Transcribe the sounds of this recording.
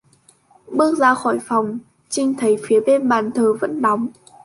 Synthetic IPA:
ɓɨ˦˥ək̚zaː˧xɔ˧˩jfɔ˨˩wŋ͡m | t͡ɕï˧ŋ̟t̪ʰə˨˦jfi˨˦əɓe˧nɓaː˨˩nt̪ʰəː˨˩və̰˧˥nɗɔ˨˦wŋ͡m

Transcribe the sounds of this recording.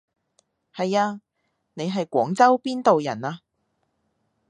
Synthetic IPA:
hɐ˨jaː˧ | ne˨˧jɦɐ˨jkʷɔː˨˥ŋt͡sɐ˥wpiː˥nt̪o˨wjɐ̰˨˩naː˧

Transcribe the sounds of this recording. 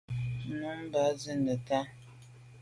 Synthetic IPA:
nu˨˦m˦ba˨˦zi˦nə˨ta˦

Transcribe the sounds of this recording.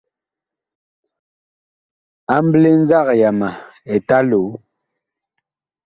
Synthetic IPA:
a˦mble˦n˦za˦˨kja˨ma˨e˨ta˦lo˨˦

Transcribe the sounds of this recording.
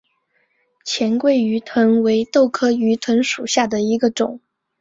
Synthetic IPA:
t͡ɕʰjɛ˧˥nkwe˥˩ɪy˧˥t̪ʰwə˧˥nwe˧˥ɪt̪o˥˩ʊkʰɤ˥y˧˥t̪ʰwə˧˥nʂu˨˩ɕja˥˩d̪ə˩i˧˥ɡə˧ʈ͡ʂʊ̰˨˩˦ŋ

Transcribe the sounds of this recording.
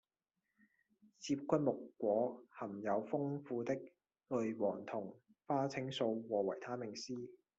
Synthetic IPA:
t͡sʰiː˧p̚kʷʰɐ˥n̚mʊ˨kːʷɔː˨˥hɐ˨˩mjɐ˨˧wfʊ˥ŋfuː˧t̪ɪ˥k̚ | lɵ˨˧jwɔː˨˩ŋt̪ʰʊ˨˩ŋ | faː˥t͡sʰɪ˨˥ŋso˧wwɔː˨wɐ˨˩jt̪ʰaː˥mɪ˨˩ŋsiː˥

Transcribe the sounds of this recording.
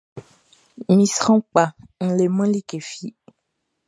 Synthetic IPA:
mĩ˨sɔ̃˦k͡pa˨ŋ̩˨le˨mə̃˦li˦ke˨fi˦

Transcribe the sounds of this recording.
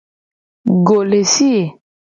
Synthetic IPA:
ɡo˨le˨si˦e˨

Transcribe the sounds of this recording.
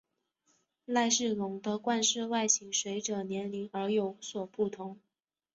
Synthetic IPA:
la˥˧ɪʂɻ̩˥˩lʊ˧˩ŋd̪ə˧kwa˥˧nʂɻ̩˥˧wa˥˩ɪɕi˧˩ŋʂwe˧˥ɪʈ͡ʂɤ˨˩njɛ˧˥nli˧˥ŋə˞˧˥jo˧˥ʊswɔ˨˩pu˥˩t̪ʰʊ˧˥ŋ

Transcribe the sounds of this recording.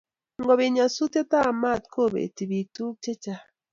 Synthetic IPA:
ŋɡɔ˨βe˨ɲa˨su˦te˦ta˦˨ma˦˨tko˦˨bḛ˨ti˨bi˨tu˦t͡ʃe˦t͡ʃa˦

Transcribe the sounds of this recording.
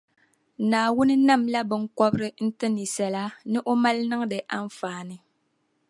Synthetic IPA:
naː˨wʊ˦nɨ˦na˦mla˦bɨ˦ŋ̩kɔ˦bɾɨ˦n̩˦tɨ˦ni˨sɛ˨la˦nɨ˦ʔo˦ma˦lnɨ˦ŋ˦dɨ˨ʔa˦ɱ˦faː˨˦˨nɨ˨

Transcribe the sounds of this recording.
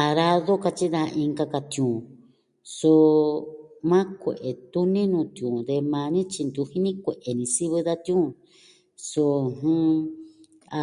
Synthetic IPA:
a˧ɾa˦ðo˦ka˧t͡ʃi˦ða˧ĩ˧ŋɡa˧ka˧t̪ũ˨ | so˧ | mã˦kʷḛ˨ʔe˨t̪u˦nĩ˦nũː˧t̪i˧ũ˨d̪e˧mã˧nĩ˦t͡ʃi˧nd̪u˧hi˦nĩ˦kʷe˨ʔe˨nĩ˧si˦βɨ˧ða˦t̪jũ˦ | so˧hũ˦ | a˧

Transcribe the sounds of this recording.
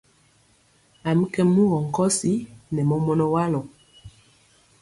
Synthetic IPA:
a˨m̩˦kɛ˦mu˦ɣɔ˨ŋ̩˨kɔ˦si˦nɛ˨mɔ˦mɔ˦nɔ˦wa˦lɔ˨

